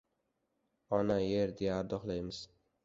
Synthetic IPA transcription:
ɒnajeɾd̪ejaːɾd̪ɒχlˠajmɪz̥

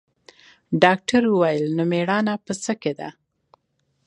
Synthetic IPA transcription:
ɖɑk̚ʈaɾwəwajəlnomeɽɑnapəsəked̪a̰

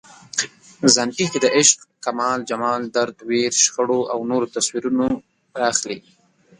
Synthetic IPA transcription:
zanʈixd̪ed̪əʔɪʃqkamɑːld͡ʒamɑld̪aɾd̪weɾʃxəɽoʔawnoɾot̪aswiɾuno | axli

